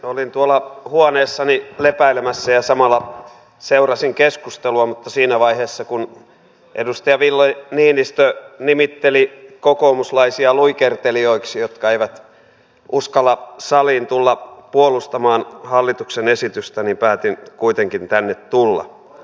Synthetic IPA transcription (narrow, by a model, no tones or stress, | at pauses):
olint̪uolːˑɑhuoneːsːɑnilepæilemæsːæjɑsɑmɑlːˑɑ | seurɑsiŋkeskust̪eluɑmut̪ːɑsiːnæʋɑiheːsːɑkun | ʔḛdust̪ɑjɑʋilːoniːnist̪ønimit̪ːelikokoːmuslɑisiɑluikert̪elioiksijot̪kɑeiʋæt̪ | ʔuskɑlːɑsɑliːnt̪ulːɑpuolust̪ɑmɑːnhɑlːit̪uksenesit̪yst̪ænimpæːt̪inkuit̪eŋkint̪ænːet̪t̪ulːɑ̰